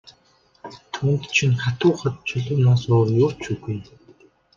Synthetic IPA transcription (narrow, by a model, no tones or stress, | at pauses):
t̪ʰuːnt̪t͡ɕʰinχat̪ʊːχə̆t̪̚t͡ɕʰɵɮʊ̆mnaːsoːrjʊːrt͡ɕuːɣuj